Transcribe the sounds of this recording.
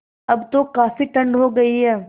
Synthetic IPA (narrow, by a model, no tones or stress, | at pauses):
ɐbt̪okaːfiʈɐ̃ɳɖɦoɡɐiɦɛː